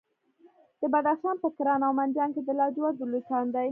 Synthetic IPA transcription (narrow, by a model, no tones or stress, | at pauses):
d̪̥əbad̪axʃɑnpəkɪɾɑnawmand̪jɑnked̪əlɑd͡ʒwad̪ulut̪ɑnd̪aj